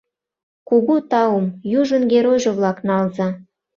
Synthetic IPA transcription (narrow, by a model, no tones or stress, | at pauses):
kuɣut̪ɑumjuʒə̆nɡeɾojʒɤ̆βlɑknɑlzɑ